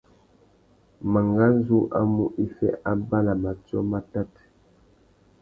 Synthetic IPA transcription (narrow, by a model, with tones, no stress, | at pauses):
ma˨ŋɡa˦n˦zu˦ʔa̰˦mu˦ʔi˦fɛ̰˦ʔa˦ba˦la˨ma˨tjɔ˦ma˦ta˦t